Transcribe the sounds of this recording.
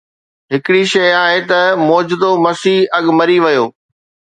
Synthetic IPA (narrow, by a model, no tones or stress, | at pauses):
ɦɪkɪɽiʃɐjaːɦet̪ɐmɔːd͡ʑd̪omɐsiːɦɐɠmɐɾiʋɐjoː